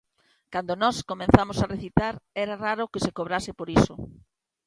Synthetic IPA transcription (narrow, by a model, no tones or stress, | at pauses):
kand̪onɔskomẽn̟θamosareθit̪aɾɛɾaraɾʊkesekoβɾasɪpoɾisʊ̰